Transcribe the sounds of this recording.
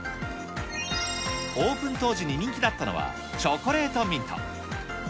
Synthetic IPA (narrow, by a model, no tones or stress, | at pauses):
oːpɯ̟̃nt̪o̞ːʑiɲ̟iɲʲĩŋkʲid̪at̪ːano̞̰βa̰ | t͡ɕokoɾe̞ːt̪omʲĩnt̪ʰõ̰ŋ